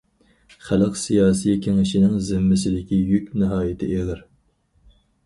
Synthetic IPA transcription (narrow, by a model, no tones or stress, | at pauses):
χælɨqsijɑːsijkʲʰeŋɪʃinɪŋzɪmːɪsɪd̪ɪkʲijykʲnɨɦɑːjɪt̪ʰɪ̰ʔeʁɨɾ